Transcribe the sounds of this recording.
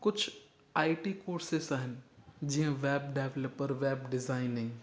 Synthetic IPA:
kʊt͡ʃʰ | aːiʈikoːɾsɪsəɦənd͡ʒɪãʋɛːb̚ɖɛːʋləpːəɾʋɛːbɖɪzaːɪnɪ̃

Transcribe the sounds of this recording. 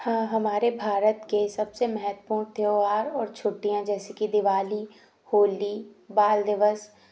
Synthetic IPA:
hãːɦɐmaːɾebʱaːɾət̪kesɐbsemɛɦət̪puːɾt̪ʰeoaːɾɔːɾt͡ʃʰʊʈːijãd͡ʒɛːsekid̪ɪʋaːli | hoːli | baːld̪ɪʋəs

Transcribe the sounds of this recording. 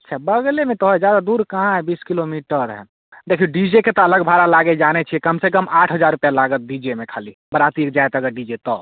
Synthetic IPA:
ətːʃʰabəɡlemẽt̪ɔɦɛd͡ʒjad̪ad̪uːɾkəɦãɦɛbiːskilomiʈəɾɦɛ̰ | d̪ekʰiuɖid͡ʒeket̪ɔələɡbʱaɾalaɡed͡ʒanet͡ʃʰiɛkəmsekəmʔaːʈʰɦəd͡ʒaːɾupjalaɡət̪̚ɖid͡ʒemẽkʰaːlibəɾat̪iek̚d͡ʒajt̪əɡəɾɖid͡ʒet̪ɔ

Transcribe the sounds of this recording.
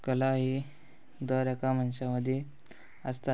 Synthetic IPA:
kəlaɦi | d̪əɾakamənɕaməd̪ʱje | əst̪a

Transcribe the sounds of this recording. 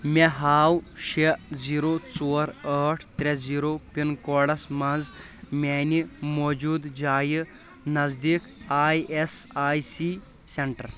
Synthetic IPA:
mʲeɦaːwʃeziːɾot͡soːɾəːʈʰt̪ɾeziːɾoːpinkoːɽɐsmɐnz | meːnimoːd͡ʒuːd̪d͡ʒaːji | nɐzd̪iːkaːjesaːjsi | seɳʈɐɾ

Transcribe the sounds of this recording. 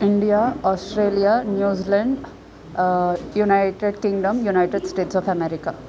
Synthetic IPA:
iɳɖijaːɔːsʈɾeːlijanjuːzilɐɳɖ | junajʈeɖkĩŋɡɖɐmjunajʈeɖsʈeːʈsɔːfʰɐmeɾika

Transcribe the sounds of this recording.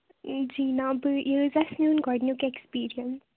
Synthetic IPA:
d͡ʒiːnãbəjuzɐsnjũːnɡɔɖnjukekspiːɾiə̃ns

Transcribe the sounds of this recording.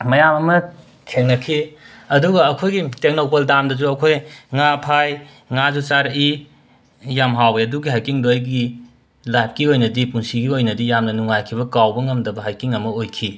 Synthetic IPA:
mɐjamɐmɐ | kʰeŋnɐkʰiɐduɡɐːkʰojɡitek̚nopoldamdɐzuɐkʰojŋapʰaj | ŋazut͡ʃaɾiː | amɦawɐɐduɡiɦajkiŋdojɡi | lajp̚ʰkiojnɐdipunsiɡiojnɐdijamnɐnuŋajkʰibɐkawbɐŋɐmdɐbɐɦajkiŋɐmɐojkʰi

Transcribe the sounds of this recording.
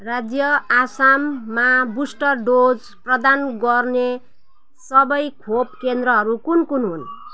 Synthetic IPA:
rad͡zjʌasamːabusʈʌrɖod͡z | prʌd̪anɡʌrne | sʌbʌjkʰopkend̪ɾʌɦʌɾukunkunɦun

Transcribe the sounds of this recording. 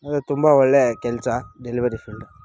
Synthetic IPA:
ɐðɯt̪ʊmbaɔɭːekɛlt͡ʃaːɖɛlɪʋɐɾifɪlɖ

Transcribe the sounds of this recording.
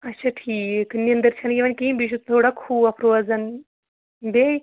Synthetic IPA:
ɐtːʃʰaʈʰiːknind̪əɾt͡ʃʰɐnjeʋɐnkimbiʃ̬ut̪̚t̪ʰoːɽakʰuːɐpʰɾoːɐzɐn | be

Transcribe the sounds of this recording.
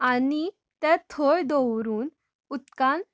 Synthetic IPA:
ani | t̪ɛ̃t̪ʰɔɭd̪ɔwɾuːn | ut̪kãn

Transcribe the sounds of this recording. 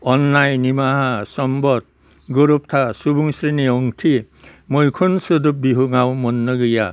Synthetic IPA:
ɔnlajnimaɦasɔmbɔt̪̚ | ɡuɾup̚t̪ʰasubuŋsɾiniɔŋtʰi | mojkʰunsud̪up̚biɦuŋawmɔnːɔɡɯja

